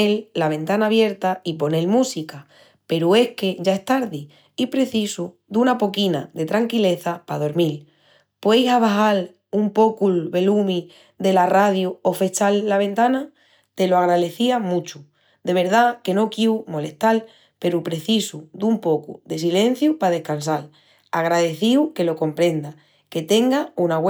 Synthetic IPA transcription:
elːaβ̞e̞nt̪anaːβje̞ɾt̪aip̬o̞ne̞lmũsika | pe̞ɾue̞hke̞ʝae̞st̪aɾði | ipɾe̞θisu | d̪unapo̞kina̰ðe̞t̪ɾaŋkile̞θapað̞o̞ɾmil | pwejsaβ̞aɦal | umpo̞kulβe̞lumĩ | d̪e̞laraðjuofe̞t͡ʃalːaβ̞e̞nt̪ana | t̪e̞loaɣ̞ɾaðe̞θiamũt͡ʃu | d̪e̞β̞e̞ɾðake̞no̞kjiwmo̞le̞ht̪al | pe̞ɾupɾe̞θisud̪umpo̞kṵðe̞sile̞n̟θjupað̞e̞hkans̬al | aɣɾaðe̞θiwke̞lo̞ko̞mpɾẽ̞nd̪a | ke̞t̪e̞ŋɡaunaɣw

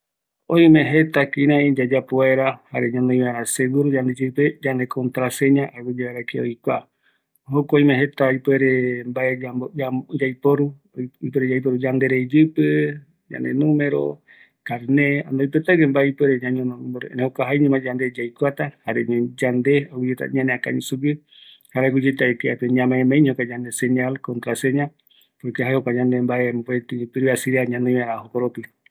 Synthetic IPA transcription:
oj̃mẽɦet̪akĩɾ̃ãĩd͡ʒad͡ʒapoaeɾahaɾeɲãnd̪oj̃βaeɾaseɡuɾud͡ʒand̪ed͡ʒɨped͡ʒand̪ekʰont̪ɾaseɲãʔaβed͡ʒaβaɾakeo̰jkʷa | hokoõjmẽɦe̞t̪aipweɾembaed͡ʒamod͡ʒad͡ʒajpoɾu | ipweɾed͡ʒajp̬oɾud͡ʒand̪eɾed͡ʒɨpɨ | d͡ʒa̰nd̪ḛnũmẽɾo̰ | kaɾnea̰nd̪oipɛt̪aɡɛmbaipɛɾeɲaɲɔnɔnmbɔɾ̰nehokaɦaiɲɛmad͡ʒand̪ed͡ʒaikuat̪ahaɾɛɲɛd͡ʒand̪eaɡud͡ʒɛt̪a̰ɲaneaka̰ɲisuɡɨ | haɾaɡud͡ʒɛt̪aɛkeapeɲãmaɛmaiɲhokad͡ʒand̪esɛɲalkɔnt̪ɾaseɲã | pɔɾkeɦaiokaɲand̪embaempat̪ipiɾuasiɾiaɲanɔ̃aɾaɦokɔɾɔt̪i

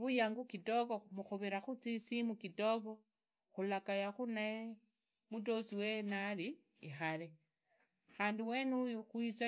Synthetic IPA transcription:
βujaːŋɡukito̞koumuxuβiɾaxut͡sisimukitoβo | xulakajaxunae | mut̬osiwenaliː | xale | xaːndiwe̞nujuxwit͡sa

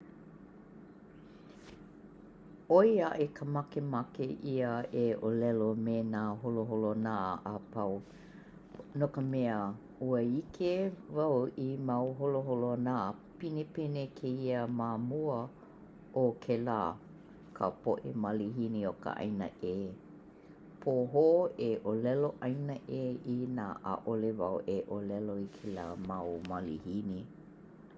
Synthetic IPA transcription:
oiaʔekʰəmakemakeʔiəeʔolɛlomenaːɦoloɦolonaɐpaw | nokəmɛə | uəikʰevawimawɦoloɦolonapinepenekʰeiəmamuə | okʰelaː | kʰə̰poʔḛmaliɦiniokə̰ʔa̰jnə̰ʔe | pʰoɦoeʔolɛloʔɐjnəʔeinaːʔa̰ʔolevawʔeʔolɛloikʰela̰mawmalḭhini

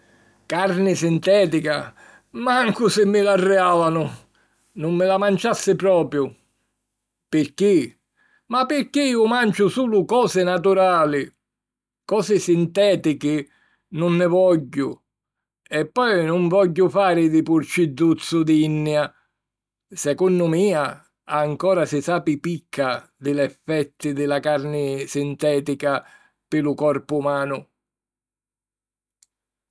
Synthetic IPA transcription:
kaɾnɪsint̪ɛːt̪ika | maŋkʊsɪmːɪlarːɛaːvanʊ | nʊmːɪlamant͡ʃasːɪpɾɔːpɾjʊ | pɪɾk̟i | mapːɪɾkːiiːʊmant͡ʃʊsuːlʊkɔːsɪnat̪uɾaːlɪ | kɔːsɪsint̪ɛːt̪ikɪ | nʊnːɪvɔʎːʊ | ɛpːɔjnʊɱvɔʎːʊfaːɾɪd̪ɪpuɾt͡ʃid̪ut̪sːud̪inːja | sɛkunːʊmiːa | aŋkɔːɾasisaːpipikʰːad̪ɪlɛfːɛt̪ːɪd̪ɪlakaɾnɪsint̪ɛːt̪ika | pɪlukɔrpuːmaːnʊ

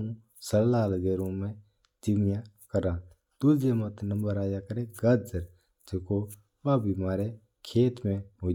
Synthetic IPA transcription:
ũ | səɾlaːlɡeːɾõmẽ | d͡ʒimjãkəɾãː | t̪ud͡ʒemɐt̪nɐ̃mbəɾaːjakəɾẽɡɐd͡ʒəɾ | d͡ʒeko | ʋabimaːɾe | kʰeːt̪mẽmo

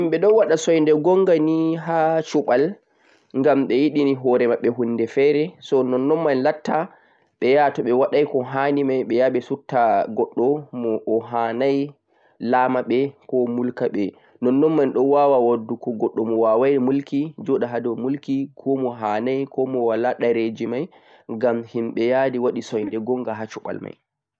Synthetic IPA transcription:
imɓɛɗɔwwaɗasɔjndɛɡɔŋɡaniɦaːt͡ʃuɓal | ŋɡamɓɛjiɗiniɦɔɾɛmaɓːɛɦunːdɛfɛɾɛsɔnɔnːɔnmanlatːa | ɓɛjatɔɓɛwaɗajkɔɦanimajɓɛjaɓɛsutːaɡɔɗːɔmɔʔːɦaːnaj | laːmaɓɛkɔmulkaɓɛ | nɔnːɔnmanɗɔnwawawadːukɔɡɔɗːɔmɔwawajmulkid͡ʒɔɗaɦadɔmulkikʰɔmɔɦanajkɔmɔwalaɗaɾed͡ʒimaj | ɡamhimɓɛjadiwaɗisɔjndɛɡɔŋɡaɦat͡ʃuɓa̰lma̰j

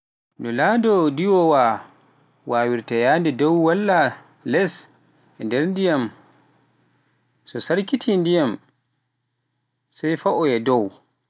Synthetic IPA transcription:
nɔladɔdiwɔwa | waːwiɾtɛjaːndɛdɔwwalːa | lɛs | ɛndɛɾndijam | sɔsaɾkitʰindijam | sajfaʔɔjɛdɔw

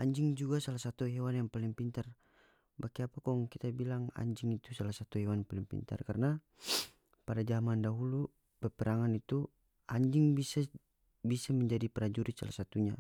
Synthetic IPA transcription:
ʔaɲd͡ʒɪŋd͡ʒuɡasalasat̪uɦɛwanjaŋpaliŋpint̪ar | bakiapakɔŋkit̪abilaŋa̰ɲd͡ʒɪŋit̪usalasat̪uɦɛwanpalɪŋpḭnt̪a̰rkarəna | padad͡ʒamandaɦulu | bɛpɛɾaŋanit̪u | ʔaɲd͡ʒɪŋbisa | bisaməɲd͡ʒadipəɾad͡ʒuɾisa̰lasat̪uɲa

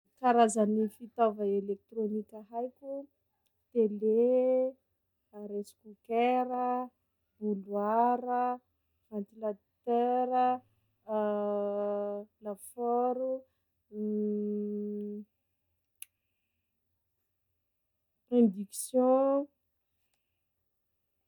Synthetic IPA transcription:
kaɾazanifit̪ɔvaelek̚t̪ɾonikʲaɦajkʲu | t̪ele | aɾesi̥kukɛɾə | b̥ulwaɾə | v̥ãnt̪ila | t̪ɛɾə | lafɔɾu | ẽnd̪iksjɔ̃

